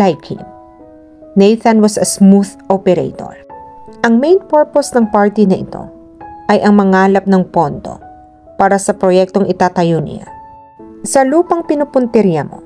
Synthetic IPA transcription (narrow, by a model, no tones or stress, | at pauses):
lajkʰḭŋ | nejθɐnwɐsɐsmuðʔopɛɾḛjt̪o̰ɹ | ʔɐŋmejnpɛɹposnɐŋpaɹt̪inɐʔɪ̰t̪o̞̰ | ʔɐjʔɐŋmɐŋaːlɐp̚nɐŋpo̞nd̪o̞̰ | paːɾɐsɐpɾojɛk̚t̪oŋʔɪt̪aːt̪ɐjonɪ̰a̰ | sɐluːpɐŋpɪnʊpʊnt̪ɛɾijamo̰